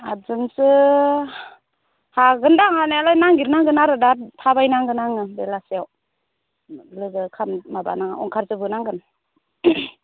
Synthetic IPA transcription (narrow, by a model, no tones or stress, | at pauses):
azɯnsɯ | haɡɯndaŋhanaalajnaŋɡiɾnaŋɡɯnaɾɯdatʰabajnaŋɡɯnaŋɯdelasiaw | lɯɡɯkʰammaba̰naŋɔŋkʰaɾzɯbɯnaŋɡɯn